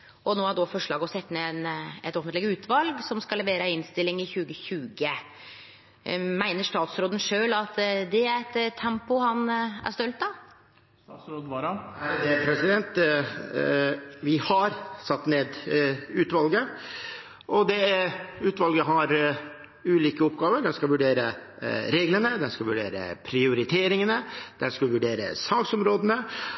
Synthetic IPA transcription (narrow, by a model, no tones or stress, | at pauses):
ɔnoːæɖɔfɔʂɭɑːɡɔsɛt̪ːnenɛt̪ɔfnlɪɡəʉːt̪ʰʋɑlɡsɔmskɑlɛʋeːɾəɪnst̪ɪlːɪŋɪçʉːɡəçʉːɡə | mæɪnəʂt̪ɑːt̪sɾoːd̪ən̩ʂøːlɑt̪d̪ɛæɾɛt̪t̪ʰːɛmpʊhɑnæ̰ɾʂt̪œlt̪̚d̪ɑ | sɾoːd̪ɑɑæd̪ɛpʰɾɛsɪd̪ɛnt̪ | ʋɪhɑɾsɑt̪ːneːd̪ʉːt̪ʋɑlɡə | ʔɔd̪ɛʉːt̪ʋɑlɡəɦɑɾ | ʉːliːkəɔpɡɑːʋəɖɛnskɑʋʉɖeːɾə | ɾeːɡlənəd̪ɛnskɑʋʉɖḛːɾə̰pʰɾɪʊɾɪt̪ʰeːɾɪŋənəd̪̥ɛnskɑʋʉɖeːɾə̰sɑŋɡsɔmɾoːd̪ənə